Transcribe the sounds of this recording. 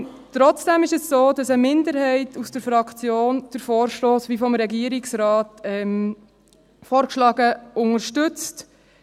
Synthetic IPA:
tɾɔt͡sd̥ɛmɪʃɛssoːd̥ɑsəmɪndəɾhɛɪtʰusd̥əɾfɾɑkʰt͡sjoːnd̥əɾfoːɾʃtoːsʋifɔmɾɛɡiəɾɪksɾɑːtɛm | fɔːɾkʃlɑːɡəʊŋəɾʃtʏt͡st

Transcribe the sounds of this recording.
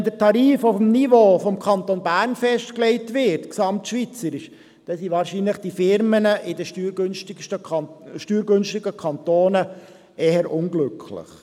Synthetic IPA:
ndətʰɑɾiːfʊfm̩nivoːfɔmkʰɑnt̪onbæːɾnfɛʃtklɛɪtʋɪtksɑmtʃʋit͡səɾɪʃ | d̥ɛsiʋɑːɾʃinləχd̥ifɪɾmənəʔɪdəʃyɡnʃtɪʃtəʃtyːɾɡʉnʃtɪɡəkʰɑnt̪oːnə | eːɦəɾʔʊŋɡlʉkʰlɪ̰χ

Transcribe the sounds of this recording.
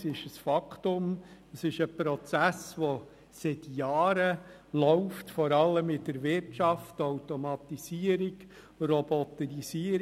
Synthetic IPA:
sɪʃəsfɑktʊməsɪʃəpɾɔt͡sæsʋɔ | sɪtjɑːɾə | lɔʊftfɔɾɑlːəmɪdəɾvɪɾtʃɑftɔʊtɔmɑt̪isiəɾɪɡ | rɔbɔt̪əɾisiəɾ

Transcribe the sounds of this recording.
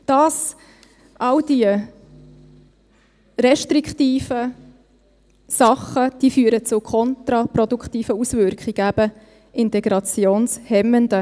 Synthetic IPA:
d̥ɑːs | ʔɑldiə | ɾɛʃtɾiktiːfə | sɑχːəd̥iːfyːəɾət͡sʊkʰɔnt̪ɾɑpɾɔdukχt̪iːfəusvʏɾkχɪɡ̥əæb̥ə | ʔɪntɛɡ̥ɾɑt͡sjoːnshɛməndə

